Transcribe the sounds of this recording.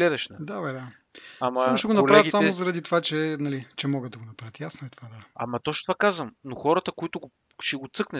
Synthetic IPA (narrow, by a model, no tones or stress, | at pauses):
lɛd̪ɛʃnɐd̪abɛd̪a | amamoʃɛɡonɐlpɾavət̪samozɐɾɐd̪it̪ovat͡ʃɛnɐlit͡ʃɛmɔɡəd̪ːɐɡonɐpɾaət̪jasnoɛt̪o̥vad̪aɐ̰mɐt̪ɔʃt̪ovakazvəmnoxɔɾət̪əkoit̪ʊɡʊ | ʃɛɡʊt̪sɤknɛ